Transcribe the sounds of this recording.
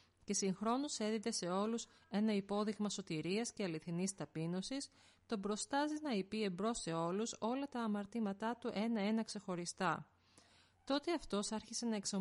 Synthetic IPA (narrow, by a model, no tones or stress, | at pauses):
ce̞siŋxɾo̞nose̞ðit̪e̞se̞o̞lus | e̞nɐipo̞ðiɣmɐso̞t̪iɾiɐsce̞ɐliθinist̪ɐpino̞sis | t̪o̞bɾo̞st̪ɐziznɐipie̞mbɾo̞se̞o̞luso̞lɐt̪ɐːmɐɾt̪imɐt̪ɐt̪uʔe̞nɐe̞nɐkse̞xo̞ɾist̪ɐ | t̪o̞t̪e̞ɐft̪o̞sɐɾçise̞nɐe̞ksɐ